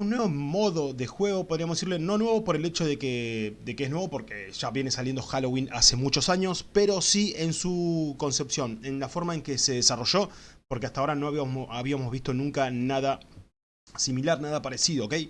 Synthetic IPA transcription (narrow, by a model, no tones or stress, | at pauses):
unːweβomo̞ðo̞ðexwe̞ɣo̞poðɾiamoðsiɾleno̞nwe̞βo̞po̞ɾe̞le̞t͡ʃo̞ðe̞ked̪ekeeɦnweβo̞po̞ɾkeʒ̥aβje̞ne̞saljend̪o̞xalowinase̞mut͡ʃo̞saɲo̞speɾo̞sie̞nsuko̞nse̞psjo̞ne̞nlafo̞ɾmae̞ŋkese̞ðesaro̞ʒo̞poɾkeast̪ao̞ɾanoaβiamozβist̪o̞nũŋkanaða | similaɾnaðapaɾesiðoːkej